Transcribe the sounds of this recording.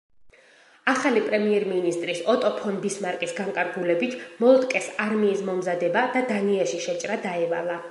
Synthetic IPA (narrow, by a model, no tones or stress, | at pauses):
aχalipʼɾɛmiɛɾminist̪ʼɾisɔt̪ʼɔpʰɔnb̪ismaɾkʼisɡaŋkʼaɾɡulɛbit̪ʰmɔlˠt̪ʼkʼɛsaɾmiːsmɔmzad̪ɛbad̪ad̪aniaʃiʃɛt͡ʃʼɾad̪aɛvalˠa